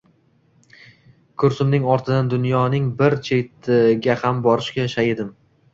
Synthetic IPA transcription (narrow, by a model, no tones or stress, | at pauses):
kʰʊɾsʊmnɪŋɒɾt̪ʰɪd̪and̪ʊnjɒnɪŋbɪɾt͡ʃʰet̪ʰɪɡʲahambɒɾɪʃkʲaʃaɪd̪ɪm